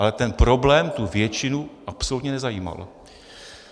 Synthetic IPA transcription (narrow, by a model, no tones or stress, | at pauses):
alɛt̪ɛnpɾo̞blɛːmt̪uvjɛt͡ʃɪnuʔapsolut̪ɲɛnɛzajiːma̰l